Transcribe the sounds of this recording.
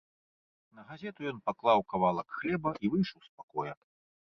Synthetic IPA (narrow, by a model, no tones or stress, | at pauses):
nɐɣazʲɛt̪ujɔnpaklˠawkavalˠɐkxlʲɛbɐʔivɨjʂɐwspakɔjɐ